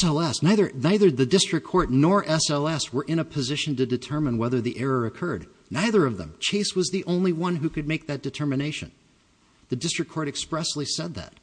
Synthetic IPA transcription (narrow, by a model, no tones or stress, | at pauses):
ɛlˠɛsnaɪðə˞naɪðə˞ðɨdɪstɹ̥ɨkʰɔɹtⁿnɔɹʔɛsɛlˠɛswə˞ʔɨ̃ɾ̃ɨpʰɨzɪʃɨ̃n̩tɨdɨtʰɜ˞mə̃nwɛðə˞ðiʔɛɹə˞ɨkʰɜ˞dⁿ | naɪðə˞ʌvðə̰̃mt͡ʃʰeɪswʌzðiʔõʊ̃nliwʌ̃nɦʉkɨd̚meɪk̚ðɨt̚d̥ɨtʰɜ˞mɨneɪʃɨ̰̃n | ðɨdɪstɹ̥ɨkʰɔɹɾɨkspɹɛsˡlisɛd̪̚ðæ̰t̚